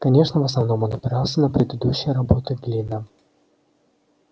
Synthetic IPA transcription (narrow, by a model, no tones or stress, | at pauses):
kɐnʲe̞ʂnəvəsnɐvno̞monɐpʲɪɾɑlˠsʲənəpɾʲɪd̪ɨd̪uɕːɪjəɾɐbo̞t̪ɨɡ̪lʲinə